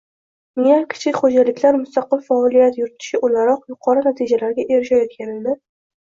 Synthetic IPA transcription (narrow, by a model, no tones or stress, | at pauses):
mɪjakʲʰɪ̥t͡ʃʰɪkʲχod͡ʒalɪkʲlaɾmʊst̪aqɨlfaɒlijat̪jʊɾɪt̪ʰɪ̥ʃɪʔʊlaɾɒqjʊqʰɒɾɨnat̪ʰid͡ʒalaɾɡʲaʔe̞ɾɪʃajɒt̪kʲʰane̞d̪ɪ